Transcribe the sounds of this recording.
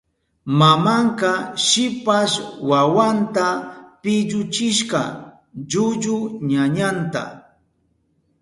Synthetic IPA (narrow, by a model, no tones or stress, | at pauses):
mamaɴkɑʃɪpaʃwawant̪apɪʎʊt͡ʃɪʃqɑ̰ | ʎʊʎʊɲaɲant̪a̰